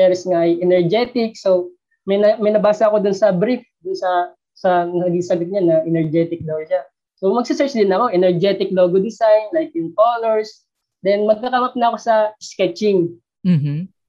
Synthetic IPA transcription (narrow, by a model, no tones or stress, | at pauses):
ɛɾsŋaʔɐjɛnɛɹd͡ʒɛt̪ɪk̚so | mɐjɐmɐjnɐbaːsɐɐko̞d̪ʊnsɐbɾɪfd̪ʊnsɐ | sɐnɐnɐɡiŋsɐɡʊt̪̚ɲanɐʔɛnɛɹd͡ʒɛt̪ɪk̚loɡoʃa | somɐɡ̚sɪsɛɹt͡ʃd̪ɪnɐko̞ʔɛnɛɹd͡ʒɛt̪ɪkloɡod̪ɪsajnlajk̚jʊŋkolɛɹs | d̪ɛnmɐɡ̚kːɐkɐmɐp̚nɐɐko̞sɐskɛt͡ʃɪŋ | m̩m̩